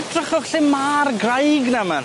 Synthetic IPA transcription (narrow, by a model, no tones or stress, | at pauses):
drəχɔχɬɪmaːrɡrajɡnaman